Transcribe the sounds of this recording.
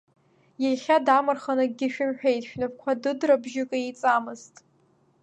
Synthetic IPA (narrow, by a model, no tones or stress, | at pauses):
jaχʲadamɨrχanɨɡʲɪʃᶣʊmħᶣejtʼʃᶣnɨp̚kʷʰadɨdrabʒɪkʼaet͡sʼamɨztʼ